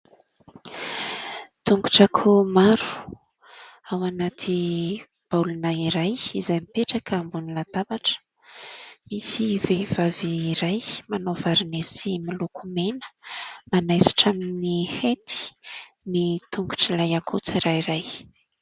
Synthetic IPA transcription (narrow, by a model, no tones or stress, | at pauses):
t̪uŋɡu̥ʈ͡ʂakʰumaɾu̥ | awanat̪ʰi | b̥alunaiɾajizajmipeʈ͡ʂakəmbunilad̪abaʈ͡ʂə̥ | misivev̥aviːɾajmanov̥aɾinesimilukʰumenə̥manajsu̥ʈ͡ʂaminihet̪i̥ | nit̪uŋɡu̥ʈ͡ʂilajakʰut͡siɾajɾaj